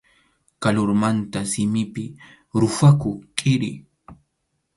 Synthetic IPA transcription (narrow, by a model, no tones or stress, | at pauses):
kalʊɾmant̪asɪmɪpɪ | ɾʊfakʊkʼɪɾɪ̰